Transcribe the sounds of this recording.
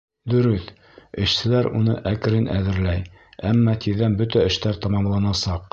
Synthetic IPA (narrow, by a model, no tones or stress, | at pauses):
d̪ɵ̆ɾɵθ | ɘ̆ʃsɘ̆læɾunɤ̰ʔækɘ̆ɾɘnʔæðɘ̆ɾlæjæmːɑt̪iððænbɵt̪æɘ̆ʃt̪æɾt̪ɑmɑmlˠɑnɑsɑq